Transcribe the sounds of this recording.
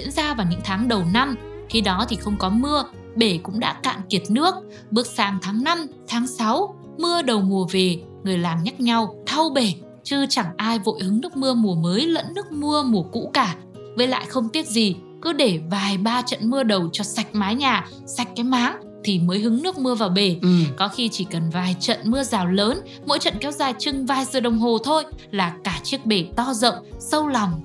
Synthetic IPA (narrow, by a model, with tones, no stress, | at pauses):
zzḭ˧˥ənzaː˧vaː˨˩wɲɨ̰˧˥ŋt̪ʰaː˨˦ŋɗə˨˩wna˧mxi˧ɗɔ˨˦t̪ʰi˨˩xə˧wŋ͡mkɔ˨˦mɨ˧ə | ɓe˧˩kʊ̰˧˥ŋ͡mɗa̰ː˧˥ka̰ː˧˨nki˨˩ət̚nɨ˦˥ək̚ | ɓɨ˨˩ək̚saː˨˩ŋt̪ʰaː˨˦ŋna˧mt̪ʰaː˨˦ŋsa˨˦w | mɨ˧əɗə˨˩wmu˨˩əve˨˩ | ŋɨ˨˩əjlaː˨˩ŋɲa˦˥t̚ɲa˧wt̪ʰə˧wɓe˧˩ | t͡ɕɨ˧t͡ɕa˧˩ŋʔaː˧jvo̰˧˨jhɨ˨˦ŋnɨ˦˥ək̚mɨ˧əmu˨˩əməː˨˦jlə̰˧˥nːɨ˦˥ək̚mɨ˧əmu˧˩əkṵ˧˥kaː˧˩ | və˨˦jla̰ː˧˨jxə˧wŋ͡mt̪i˦˥ət̚zi˨˩ | kɨ˨˦ɗe˧˩vaː˨˩jɓaː˧t͡ɕə̰˧˨nmɨ˧əɗə˨˩wt͡ɕɔ˧sa˨˩jk̟̚maː˨˦jɲaː˨˩ | sa˨˩jk̟̚kaː˨˦jmaː˨˦ŋ | t̪ʰi˨˩məː˨˦jɦɨ˨˦ŋnɨ˦˥ək̚mɨ˧əvaː˨˩wɓe˨˩kɔ˨˦xi˧t͡ɕi˧˩kə˨˩nvaː˨˩jt͡ɕə̰˧˨nmɨ˧əzaː˨˩wləː˨˦n | mo̰˧˥jt͡ɕə̰˧˨nkɛ˨˦wzaː˨˩jt͡ɕɨ˧ŋvaː˧jzɨ˨˩ɗə˨˩wŋ͡mɦo˨˩t̪ʰo˧jlaː˨˩kaː˧˩t͡ɕi˦˥ək̚ɓe˧˨˩t̪ɔ˧zə̰˧˨wŋ͡msə˧wlɔ˨˩wŋ͡m